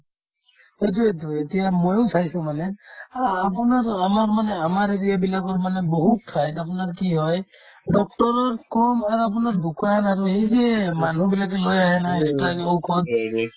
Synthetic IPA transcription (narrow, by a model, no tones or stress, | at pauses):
hejt̬uetuetijamojʊsʰajsʊ̃manɛː | p̬unaɹamaɹmanɛamaɹeɹiabilakɔɹmanɛboɦutːʰajtapunaɹkiɦɔj | dɔk̚tɔɹɔɹkɔmaɹuap̬unaɹbukajanaɹuɦejzɛmanʱubilak̬ɛlojaɦɛnaestakowkʰɔt